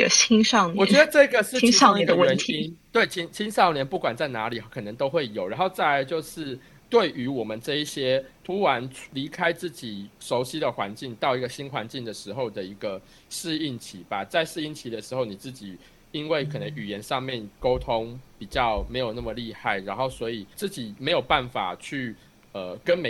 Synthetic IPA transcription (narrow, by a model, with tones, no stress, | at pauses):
ə˨t͡ɕʰi˥ŋʂɑ˥˩wɔ˨˩˦t͡ɕɥɛ˧˦d̪ə˧ʈ͡ʂɤ˥˩˥ɡə˨ʂ̩˥˩˥ɡɛ˧˥nʰi˦nt̪we˥˩ɪt͡ɕʰi˥ŋt͡ɕʰi˥nʂɑ˥˩ʊljɛ˧˥˦npu˥˩kwa˨˩nt͡sa˥˩ɪna˧˥li˨˩kʰɤ˨˩nə˧˦ŋt̪o˥ʊxwe˥˩ɪjo˨˩ʊɻa˧˦˥nxo˥˧ʊt͡sa˥˩ɪ˧˩t͡ɕjo˥˧ʊʂɻ̩˥˧ | t̪we˥˩ɪʔy˧˥wɔ˨˩mə˨nʈ͡ʂɤ˥˧i˥˩ɕjɛ˦˥t̪ʰu˦˥ɻa˧˦nli˧˥kʰa˥ɪt͡sɹ̩˥˩t͡ɕi˨˩ʂo˧˥ʊɕi˥d̪ə˨xwa˧˦nt͡ɕi˥˧ŋt̪ɑ˥˧ʊi˧˥ɡə˧ɕi˦˥nxwa˧˦nt͡ɕi˥˩ŋd̪ə˩ʂɻ̩˧˥xo˥˧ʊd̪ə˩i˧˥ɡə˨ | ʂɻ̩˥˧i˥˩nt͡ɕʰi˨˥ba˨t͡sa˥˧ɪʂɻ̩˥˧i˥˩nt͡ɕʰi˨˦d̪ə˨ʂɻ̩˧˥xo˥˩ʊni˨˩t͡sɹ̩˥˩t͡ɕi˨˩ | i˦nwe˥˩ɪkʰɤ˨˩nə˧˦ŋy˨˩jɛ˧˦nʂɑ˥˧ŋmjɛ˥˨˩nko˥ʊt̪ʰo˦˥ŋpi˨˩t͡ɕjɑ˥˩ʊme˧˥ɪjo˨˩ʊna˥˩mə˩li˥˧ha˥˩ɪɻa˧˥nxo˥˩ʊswɔ˧˥i˨˩t͡sɹ̩˥˩t͡ɕi˨˩me˧˥ɪjo˨˩ʊpa˥˩nfa̰˨˩t͡ɕʰy˥˩ | ə˩kə˦nme˨